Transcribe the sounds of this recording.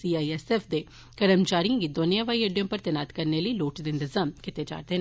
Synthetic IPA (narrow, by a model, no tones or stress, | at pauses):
siːaːiɛːseːfʰd̪eː | kəɾəmt͡ʃaːɾijãːɡid̪oːnijãːʋaːieːɖijə̃mpəɾt̪ɪnaːt̪kəɾneːləiloːʈd̪ɪɪnt̪ɪzaːmkɪt̪eːd͡ʒa̰ːɾd̪eːn